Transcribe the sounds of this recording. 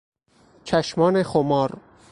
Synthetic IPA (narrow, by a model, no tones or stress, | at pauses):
t͡ʃʰæʃmɒːnexomɒːɾ